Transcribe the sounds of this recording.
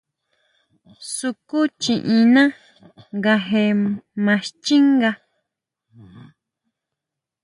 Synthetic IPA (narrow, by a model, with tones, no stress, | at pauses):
su˧ku˦t͡ʃĩ˨ʔĩ˧nã˦ | ŋɡa˧ɦe˧mã˧ʃt͡ʃi˦ŋɡa˧